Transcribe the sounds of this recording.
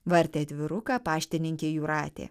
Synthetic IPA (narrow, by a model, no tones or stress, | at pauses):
ʋɐɾʲt̪ʲeːɐd̪ʲʋʲɪɾʊkɑːpɑːʃʲt̪ʲɪnʲɪŋʲkʲeːjuːɾɑːt̪ʲḛː